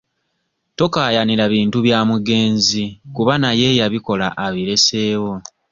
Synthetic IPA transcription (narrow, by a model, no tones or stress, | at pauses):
to̞kajaniɾaβiːntuβjaːmuɡe̞ːnzikuβanaje̞jaβiko̞laʔaβiɾe̞se̞ːwo̞